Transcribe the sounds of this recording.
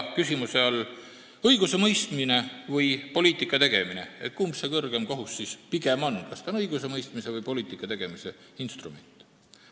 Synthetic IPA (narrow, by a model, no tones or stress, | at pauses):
kysʲimuse̞ɑl | ɤjɡ̥use̞mɤjst̪mine̞vɤjpo̞liːt̪ːˑikːˑɑt̪e̞ɡ̥e̞mine̞̰ḛt̪̚kuːmsekɤrɡ̥e̞mkoɦusːispiɡe̞mo̞nkɑst̪ɑnɤjɡ̥use̞mɤjst̪mise̞vɤjpo̞liːt̪ːˑikːˑɑt̪eɡ̥e̞mise̞inst̪rume̞nʲt̪ːˑ